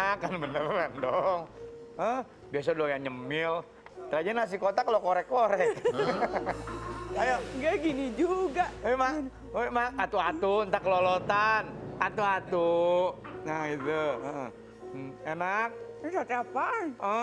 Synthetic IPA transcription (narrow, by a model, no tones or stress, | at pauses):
kːanbənərɛndɔŋəh | bias̬adɔjaŋɲəmɪl | t̪əɾad͡ʒanas̬ikot̪akalokoɾɛkːoɾɛ | kajaʔɡaɡinid͡ʒuɡaʔəma | maat̪uat̪unt̪akəlolot̪anat̪uat̪u | nahɡit̪uə | enak̚sat̪apaə